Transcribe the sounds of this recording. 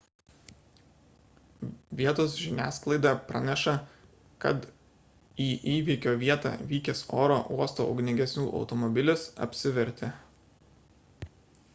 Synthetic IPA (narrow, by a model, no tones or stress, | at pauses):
ʋʲiɛt̪oːsʒʲɪnʲæːsklˠɐɪd̪ɑˑpɾɐ̰nʲɛʃɐ | kɐ̰t̪ | iːʔiːʋʲikʲoːʋʲiɛt̪ɑ̰ʋʲiːkʲɪso̰ːɾoʔuɔst̪o̰ːɐ̰ʊɡnʲɪŋʲɡʲɛsʲnʲuːʔɒ̰ʊt̪ɔmɔbʲɪlʲɪsɐ̰pʲsʲɪʋʲɛɾʲt̪ʲe